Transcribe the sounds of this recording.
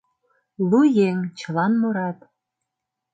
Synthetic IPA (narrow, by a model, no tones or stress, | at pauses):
lujeŋt͡ɕə̆lɑnmoɾɑt̪